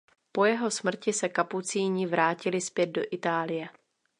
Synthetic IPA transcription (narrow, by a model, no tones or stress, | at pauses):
po̞jɛɦo̞smr̩cɪsɛkaput͡siːɲɪvɾaːcɪlɪspjɛd̪̚do̞ʔɪt̪aːlɪjɛ